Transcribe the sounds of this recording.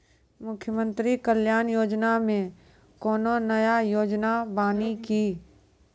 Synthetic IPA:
mʊkʰjəmə̃nt̪ɾikəljaːnjoːd͡ʒnamẽ | kɔːnonəjajoːd͡ʒnabaːnikiː

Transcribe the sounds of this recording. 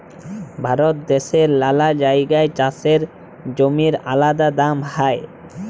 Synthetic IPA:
bʱaɾot̪̚d̪eʃeɾlalad͡ʑajɡaet͡ɕaseɾ | d͡ʑomiɾa̰lad̪ad̪amhae

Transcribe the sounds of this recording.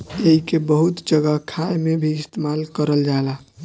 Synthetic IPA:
eɦikebəɦut̪d͡ʒəɡəɦkʰajmebʱiːst̪emalkəɾəld͡ʒaela

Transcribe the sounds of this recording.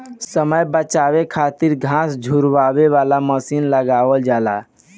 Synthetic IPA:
səməjbət͡ʃawekʰat̪iɾɡʱãsd͡ʒʱuɾʋabeʋalaməsinləɡaʋəld͡ʒala̰

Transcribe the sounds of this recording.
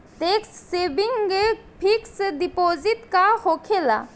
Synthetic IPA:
teksːebiŋɡe | pʰiksdipozitkahɔkʰela̰

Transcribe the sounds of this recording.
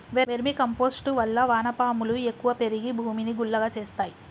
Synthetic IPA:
ʋeʋeɾmikɐmpo̞ːsʈuʋɐlːɐʋaːnɐpaːmuluekːuʋɐpe̞ɾiɡibʱuːminiɡuɭːɐɡaːt͡ʃe̞ːst̪aːji

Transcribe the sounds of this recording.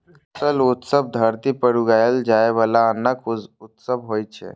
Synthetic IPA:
t̪əlut̪səb̚ʱd̪ʱəɾt̪ipəɽuɡajld͡ʒaeʋalaənəkut̪səbʱɦojt͡ʃʰɛ̰

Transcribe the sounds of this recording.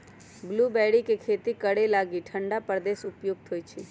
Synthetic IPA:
ɡlubɛːɽikekʰeːt̪ikəɽelaːɡiʈʰə̃ɳɖapəɾd̪eːsʊpjoːɡ̚t̪ʰoːjt͡ʃʰi

